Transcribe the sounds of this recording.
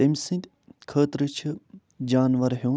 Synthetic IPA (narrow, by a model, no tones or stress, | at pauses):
emʲsɨ̃nt̪ʲ | kʰəːt̪ɾɨt͡ʃʰɨ | d͡ʒaːnʋɐɾɦe